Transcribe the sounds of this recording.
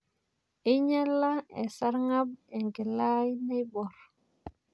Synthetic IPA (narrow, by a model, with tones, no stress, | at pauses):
i˦ɲɛ˦lːa˦ḛ˨sa˦ɾŋa˦b̚e˨ŋɡe˨la˦jne˦jbɔ˨ɾ